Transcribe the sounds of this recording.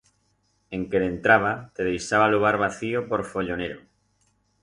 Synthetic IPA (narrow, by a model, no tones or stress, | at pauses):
eŋkeðent̪ɾaβ̞at̪eð̞ejʃaβaluɣ̞aɾβ̞aθiopoɾfoʎoneɾo